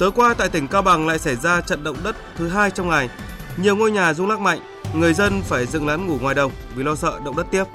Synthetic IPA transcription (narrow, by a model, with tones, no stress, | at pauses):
t̪əː˨˦jkwaː˧t̪a̰ː˧˨jt̪ï˧˩ŋ̟kaː˧wɓa˨˩ŋla̰ː˧˨jsa˧˩jzaː˧t͡ɕə̰˧˨nɗə̰˧˨wŋ͡mɗə˦˥t̚t̪ʰɨ˨˦ɦaː˧jt͡ɕɔ˧wŋ͡mŋa˨˩jɲi˨˩əwŋo˧jɲaː˨˩zʊ˧ŋ͡mlaː˦˥k̚ma̰˧˨jŋ̟ | ŋɨ˨˩əjzə˧nfaː˧˩jzɨ̰˧˨ŋla˨˦nŋu˧˩ŋwaː˨˩jɗə˨˩wŋ͡m | vi˨˩lɔ˧sə̰ː˧˨ɗə̰˧˨wŋ͡mɗə˦˥t̚t̪i˦˥əp̚